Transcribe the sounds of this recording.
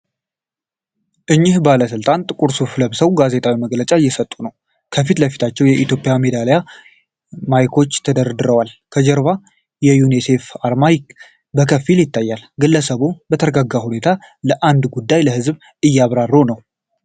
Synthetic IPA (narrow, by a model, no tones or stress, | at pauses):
ʔɨɲːɪhbaləsɨlt̪ʼant̪ʼɨkʼuɾsufləβsəwɡaze̞t̪ʰʼawiməɡlət͡ʃʼaɨjːɛsət̪ʼːunəw | kʰəfit̪ləfi̥t̪ʰat͡ʃːɛwjɛʔit̪ʰjo̞pʼːɪjame̞d̪aleja | majkʰo̞t͡ʃːt̪ʰəd̪əɾd̪ɨɾəwalkʰəd͡ʒɛɾβa | jɛjunise̞faɾmajk | bəkʰəfːiljɪt̪ʰːajːalɡɨlːəsəβubət̪ʰəɾəɡaɡːahune̞t̪ʰa | ləʔand̪ɡud̪ːajləhɨzβ | ɨjːaβɾarːonəw